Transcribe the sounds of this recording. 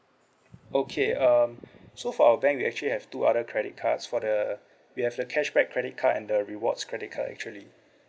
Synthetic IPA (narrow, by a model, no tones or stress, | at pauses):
okʰeʌmsofɔawəbɛ̃ŋkwiɛ̰k̚t͡ʃuəlihɛv̥tuʔa̰dəkʰɹɛɾɪt̚kʰatsfɔdə | wihɛvdəkʰɛʃbɛkʰːɹɛɾɪt̚kʰatɛ̰̃ndəɹiwɔ̰tskʰɹɛdit̚kʰa̰tɛ̰k̚t͡ʃuəli